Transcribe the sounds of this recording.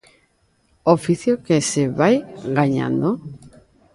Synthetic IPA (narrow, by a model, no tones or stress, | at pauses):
ofiθjokeseβajɡaɲa̰nd̪o